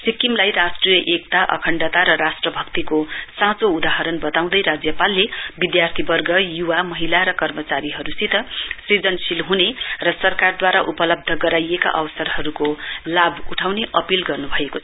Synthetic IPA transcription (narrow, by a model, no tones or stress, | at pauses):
sikimlajrasʈrijʌʔek̚t̪aʔʌ̰kʰʌɳɖat̪aɾʌɾasʈrʌbʱʌkt̪ikosãt͡soud̪aɦʌɾʌnbʌt̪aw̃d̪ʌjɾad͡zjʌpalːebid̪jart̪ʰibʌrɡʌjuwamʌɦilaɾʌkʌrmʌt͡saɾiɦʌɾusit̪ʌsrid͡zʌnsilɦunerʌsʌrkard̪waɾaʔupʌlʌb̚d̪ʱʌɡʌɾajeka̰ʔʌwʌsʌrɦʌɾukolabuʈʰawneʔʌpilɡʌrnubʱʌekot͡sʰʌ